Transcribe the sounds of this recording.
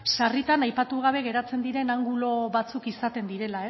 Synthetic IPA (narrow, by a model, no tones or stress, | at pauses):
ʃarit̪anajpat̪uɣ̞aβ̞e̞ɣ̞e̞ɾat͡se̞nd̪iɾe̞naŋɡulo̞βat͡sukisat̪e̞nd̪iɾe̞lae̞s